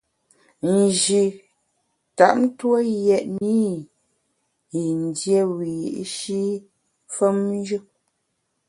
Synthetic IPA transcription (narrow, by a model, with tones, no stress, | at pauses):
n̩˨ʒi˨ | ta˨ʔm̩˦two˦jɛ˨ʔni˦ | i˨n˨dje˦wi˨ʔʃi˦ | fə˦m˦d͡ʒɯ˦